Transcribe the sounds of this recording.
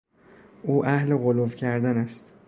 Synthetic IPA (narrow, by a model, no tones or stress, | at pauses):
uːʔæhleɣolovcʰæɾd̪ænæst̪